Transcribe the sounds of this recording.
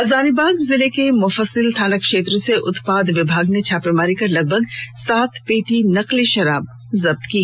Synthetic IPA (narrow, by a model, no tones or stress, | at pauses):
ɐzaːnibaːɡzɪlekemʊfəsɪlt̪ʰaːnəkʃeːt̪ɾõseʔʊt̪paːd̪ʋɪbʱaːɡnet͡ʃʰaːpemaːɾikɐɾlɐɡ̚bʱɐɡsaːt̪ʰpeːʈinɐqliʃɐɾaːb̚ | zɐb̚t̪kiː